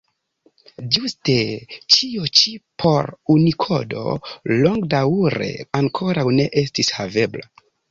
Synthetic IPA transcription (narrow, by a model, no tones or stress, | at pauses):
d͡ʒuste̞t͡ʃiot͡ʃipʰo̞ɾunikʰo̞̰do̞̰lo̞ŋɡdawɾe̞̰aŋkʰo̞ɾawne̞ʔestishave̞bla